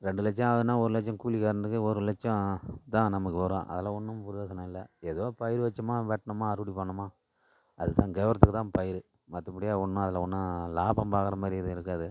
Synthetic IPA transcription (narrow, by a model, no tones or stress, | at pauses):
ɾɛɳɖɯlɐt͡ʃːɐ̃ɐðɯnːaːɔɾɯlɐt͡ʃːɐ̃kuːlikːaːɾɯnd̪ɯkːɯɔɾɯlɛt͡ʃːɐ̃t̪ãːnɐmːɐkːɯʋɐɾõ̰ːʔɐ̰ðɐlaʊnːɯmpʊɾɪekːɐɳɐ̃ɪlːɐ̰eːðoːpɐjɪɾɯʋɐt͡ʃːɐmaːʋɛʈːɐɳɐmaːɐɾɯʋɐɽipɐɳːɐmaː | ɐðɯt̪ãːŋɡɛːʋɐɾɐt̪ːɯkːɯt̪ãːpɐjɪɾɯ | mɐt̪ːɐpːɐɽɪjaːʊɳːɐ̃ɐðɪlɐɔnːɐlaːpɐmpaːkɐɾɐmaːɾɪɐðɯɪɾɯkːaːðɯ